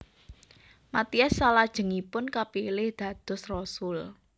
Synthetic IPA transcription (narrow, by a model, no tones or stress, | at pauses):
mat̪iasːalad̥ʒ̥ə̤ŋipʊnkapilɪhd̪̥ä̤d̪̥ɔ̤srɔsʊl